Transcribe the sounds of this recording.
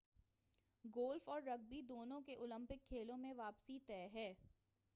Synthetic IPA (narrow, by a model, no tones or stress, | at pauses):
ɡoːlfɔːɾːɐɡ̚bid̪oːnõkeʔʊlə̃mpɪkʰːeːlõmẽʋaːpsit̪ɛːɦɛː